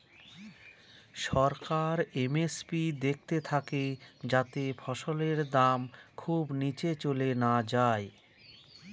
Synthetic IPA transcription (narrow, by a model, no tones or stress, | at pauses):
ʃɔɾkaɾemespid̪ek̚ʰt̪et̪ʰaked͡ʑat̪efɔʃoleɾd̪amkʰubnit͡ɕet͡ɕolenad͡ʑae